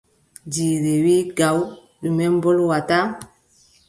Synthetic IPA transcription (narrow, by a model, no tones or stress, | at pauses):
diɾewiɡaw | lumɛmbɔlwata